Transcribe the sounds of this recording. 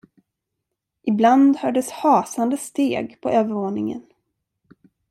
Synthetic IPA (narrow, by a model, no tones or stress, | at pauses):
ʔɪbland̪hœːɖəshɑːsand̪əst̪eːɡpʰɔøːvəɾvoːnɪŋə̰n